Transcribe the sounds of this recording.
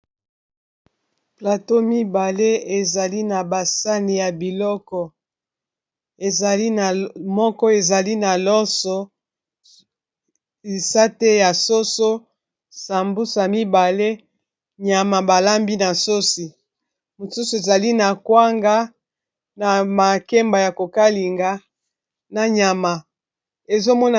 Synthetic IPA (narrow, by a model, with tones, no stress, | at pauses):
pla˨to˦mi˦ba˨le˦e˨za˨li˦na˨ba˨sa˦ni˨ja˨bi˨lɔ˦kɔ˨ | e˨za˨li˦na˨mɔ˦kɔ˦e˨za˨li˦na˨lɔ˦sɔ˦ | i˨sa˦te˦ja˨so˦so˦ | sa˨mbu˦sa˨mi˦ba˨le˦ | ɲa˨ma˨ba˨la˦mbi˦na˨so˦si˨ | mo˨su˦so˨e˨za˨li˦na˨kwa˦ŋɡa˦ | na˨ma˨kɛ˦mba˨ja˨ko˨ka˦li˨ŋɡa˦ | na˨ɲa˨ma˨ | e˨zo˦mɔ˦na˨